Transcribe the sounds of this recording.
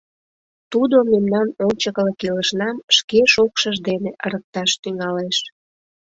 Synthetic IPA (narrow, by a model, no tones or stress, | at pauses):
t̪ud̪omemnɑnonʲt͡ɕəkləkiləʃnɑmʃkeʃokʃəʒd̪eneʔəɾək̚t̪ɑʃt̪yŋɑleʃ